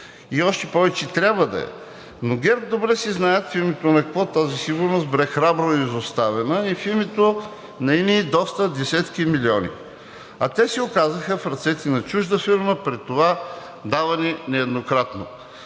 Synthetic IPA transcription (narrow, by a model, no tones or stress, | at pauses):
iɔʃt̪ɛpɔvɛt͡ʃɛt̪ɾʲabvəd̪ɐ̰ɛ̰ | noɡɛɾp̚d̪obɾɛsiznajət̪filmit̪onɐkɐkvɔt̪azisiɡʊɾnost̪bɾɛxɾabɾoizost̪avɛnəifilmit̪o | nɐiniːd̪ɔst̪əd̪ɛsɛt̪kimiliɔnḭ | ɐt̪ɛsiokazəxəfɾɐt̪sɛt̪ɛnɐt͡ʃuʒd̪əfiɾməpɾit̪ːova | d̪avɐnɛnɛɛd̪nokɾat̪no